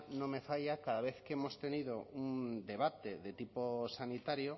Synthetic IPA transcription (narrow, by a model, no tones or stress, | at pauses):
nõmefaʎakaðaβ̞eθkeemost̪eniðound̪e̞β̞at̪eðet̪iposanit̪aɾjo